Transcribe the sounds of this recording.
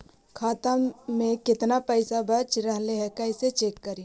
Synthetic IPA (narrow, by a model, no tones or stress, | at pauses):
kʰaːt̪ãmẽkɪt̪napɛɪsabɐt͡ʃɾɛɦleɦɛkɐɪset͡ʃeːkːɐɾi